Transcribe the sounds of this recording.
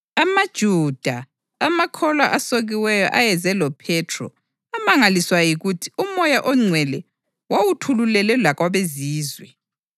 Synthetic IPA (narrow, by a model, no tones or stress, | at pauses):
amad̥ʒ̥ʱud̥ʱaː | makʰɔlwaʔasoɣiwɛjɔ̰ʔajɛzɛlɔpʰɛtʰrɔ̰ | amaŋaliswajiɣutʰi̥umɔjaʔɔŋ͡ǀʱwɛlɛ | wawutʰululɛlɛlakwaβeziːzwɛ